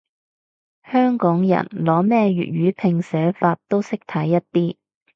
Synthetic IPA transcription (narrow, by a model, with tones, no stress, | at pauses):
hœː˥ŋkɔː˨˥ŋjɐ̰˨˩nlɔː˨˥mɛː˥ɥy̰ː˨t̚ɥyː˨˥pʰɪ˧ŋsɛː˨˥faː˧t̚t̪ːo˥wsɪ˥k̚t̪ʰɐ˨˥jːɐ˥t̚t̪iː˥